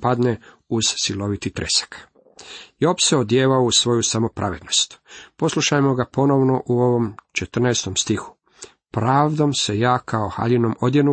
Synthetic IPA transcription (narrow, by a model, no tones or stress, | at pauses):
pad̪ne | uz̥silo̞ʋit̪it̪ɾʔḛsḁk | jopseod̪jeːʋaousʋo̞jusamo̞pɾʔa̰ʋe̞d̪no̞st̪po̞slˠuʃajmo̞ɡapo̞noʋno̞ʔuo̞ʋo̞mt͡ʃet̪r̩naest̪o̞mst̪ixu̥ | pɾaːʋd̪o̞mse̞jaːkʰaoxa̰ʎinomo̞d̪jenu